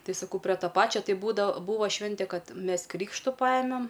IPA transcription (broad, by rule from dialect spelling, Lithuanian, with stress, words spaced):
ˈtɐɪ sɐˈkɐʊ pʲrʲɛ ˈtoː ˈpɑːt͡ʃʲoː ˈtɐɪ ˈbuːdɐʋoː ˈbuːʋɐ ˈʃʲʋʲɪnʲtʲɛ ˈkɐt ˈmʲɛs ˈkrʲiːkʃtʊ ˈpɑːjɛmʲɛm